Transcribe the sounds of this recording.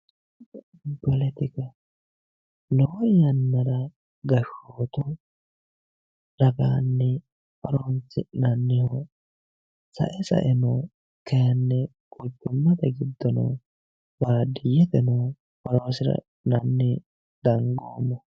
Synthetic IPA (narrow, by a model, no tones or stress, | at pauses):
pɔlɛt̪ɪkɐ | loːjɐnːɐɾɐ | ɡɐʃːoːt̪ɔ | ɾɐɡaːnːɛ | pɔɾɔnsɪnɐnːɪhɔ | sɐ̰ʔɛsɐ̰ʔɛnɔ | kɛjɐnːɛkʊt͡ʃːʊmːɐt̪ɐɡɪd̪ːɔnɔ̰ | bad̪ɪjɛt̪ɛnɔ | pɔɾoːsɪɾɐ̰ | nɐnːɪ | d̪̥ɐŋɡo̰ːmɔ